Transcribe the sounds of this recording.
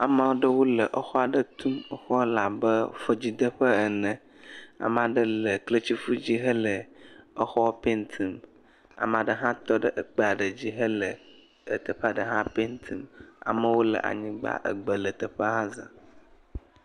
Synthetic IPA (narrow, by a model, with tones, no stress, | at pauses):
a˨mã˦wo˦ɖə˦wo˦lə˨ʔə˦xɔ˦a˨ɖə˦t̪u˦mə˦xɔ˦la˨bə˦fə˨d͡ʑi˨d̪ə˦ɸə˦ə˨nə̃˨ | a̰˨m˨ã˨ɖə˦lə˨klə˦t͡ɕi˦fu˦d͡ʑi˦ɦə˦lə˨ə˦xɔ˦pe˦nt̪ʰi˨m | a̰˨m˨a˨ɖə˦ɦã˦t̪ɔ˦ɖə˦ʔə˨k͡pə˦a˨ɖə˨d͡ʑi˦ɦə˦lə˨ | ə˨t̪ə˨ɸə˦a˨ɖə˨ɦã˦pe˦nt̪ʰi˨ma̰˨mə˦wo˦lə̰˨ʔa̰˨ɲĩ˦ɡ͡ba̰˦ʔə̰˨ɡ͡bə˨lə˨t̪ə˨ɸə˦ɦã˦zã̰˨